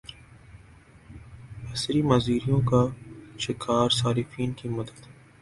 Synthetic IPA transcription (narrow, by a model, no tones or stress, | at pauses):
ɐsɾimɐziːɾijõkaʃɪkʰaːɾsaːɾɪfiːnkimɐd̪əd̪